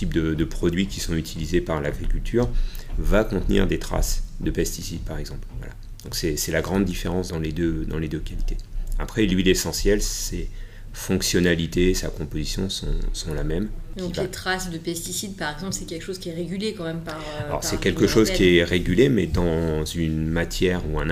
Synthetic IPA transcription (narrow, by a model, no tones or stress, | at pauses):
t̪ip̚d̪əd̪əpχɔd̪ɥikʲisɔ̃yt̪ʰilizepaʁlaɡʁikʲylt̪ʰyːʁvakɔ̃t̪nḭʁd̪et̪χa̰sd̪əpɛst̪isid̪̚paʁɛɡzɑ̃plvwa̰la̰ | d̪̥ɔ̃ksɛsɛlaɡʁɑ̃d̪ːifeʁɑ̃sd̪ɑ̃led̪ød̪ɑ̃led̪økʲalit̪eapχɛlɥilesɑ̃sjɛlse | fɔ̃ksjɔnalit̪esakɔ̃pozisjɔ̃sɔ̰̃sɔ̃lamɛmkd̪̃ikvaet̪χasd̪əpɛst̪isid̪paʁɛɡzɑ̃plsɛkʲɛlkə̥ʃoz̥kʲiɛʁeɡʲylekɑ̃mɛmpaʁ | alɔ̰ʁsɛkʲɛlkəʃozkʲiɛʁeɡʲylemɛd̪ɑ̃zynmat̪ʰjɛʁuɛ̃n